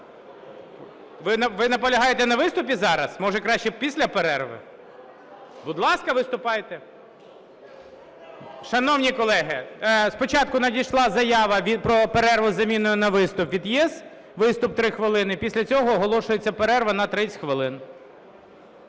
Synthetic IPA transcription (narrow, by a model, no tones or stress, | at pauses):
ʋɪnɐʋɪnɐpɔlʲɐɦɑjet̪ɛnɐʋɪst̪ʊpʲizɑɾɐsmɔʒɛkɾɑʃt͡ʃɛpʲisʲlʲɐpeɾɛrʋɪ̰ | bʊd̪lˠɑskɐʋɪst̪ʊpɑjt̪ɛ | ʃɐnɔwnʲikɔlˠɛɦɪspɔt͡ʃɑt̪̚kʊnɐd̪ʲijʃlˠɑzɐjɑʋɐʋʲipɾɔpeɾɛrʋʊzɐmʲinʊjʊnɐʋɪst̪ʊpʋʲid̪jɛz | ʋɪst̪ʊp̚t̪ɾɪxʋɪlˠɪnɪpʲisʲlʲɐt͡sʲɔɦɔːɦɔlˠɔʃʊjet͡sʲːɐpeɾɛrʋɐnɐt̪ɾɪt͡sʲxʋɪlˠɪn